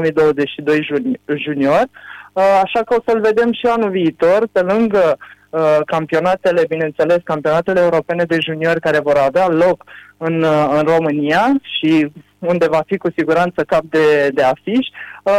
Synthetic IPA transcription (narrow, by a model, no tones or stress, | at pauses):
mijd̪o̞wəze̞t͡ʃʲʃid̪o̞jʒunio̞rʲaʃakəo̞səɨlve̞d̪e̞mʃianuviːt̪o̞rpe̞lɨŋɡə | əkampio̞nat̪e̞le̞bine̞ɨnt̪se̞le̞skampio̞nat̪e̞leːuɾo̞pe̞ne̞d̪e̞ʒunio̞rʲkaɾe̞vo̞ɾavealo̞kɨnɨnro̞mɨnijaʃi | und̪e̞vafikusiɡuɾant̪səkap̚d̪ed̪e̞afiʃʲ